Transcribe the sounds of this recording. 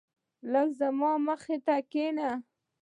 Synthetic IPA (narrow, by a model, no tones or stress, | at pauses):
lakzamɑməxet̪akena